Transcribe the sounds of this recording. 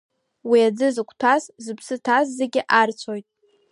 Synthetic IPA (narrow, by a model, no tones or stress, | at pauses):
wiad͡zɨzɨkʷʰtʰaszɨpʰsɨtʰazːeɡʲɪʔart͡sʷʰojtʼ